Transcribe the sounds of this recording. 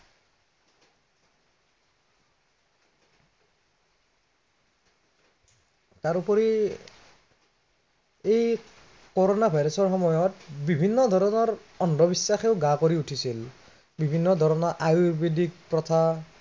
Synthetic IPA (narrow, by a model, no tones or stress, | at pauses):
taɹupɔɹi | ej | kɔɹonabʱajɾɔsɔɹxɔmɔjɔtbibʱinːɔd̪ʱɔɹɔnɔɹ | ɔndʱɔbisːaxeʊɡakoɹiutʰisil | bibʱinːɔd̪ʱɔɹɔnɔɹʔajubidik̚pɹɔt̪ʰa